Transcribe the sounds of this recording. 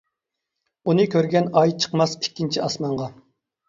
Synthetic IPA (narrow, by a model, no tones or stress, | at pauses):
unɨkʲøɾɡʲɛnɑjt͡ʃʰə̥qmɑsi̥kʲːint͡ʃʰiɑsmɑɴʁɑ